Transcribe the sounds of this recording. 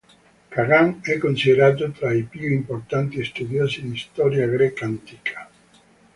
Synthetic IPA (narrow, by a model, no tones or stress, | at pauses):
kaɣaŋɛkonsiðeɾat̪̬ot̪ɾajpuoimpoɾt̪ant̪iest̪uðjosinist̪ɔɾjaɣɾekant̪ikʰḁ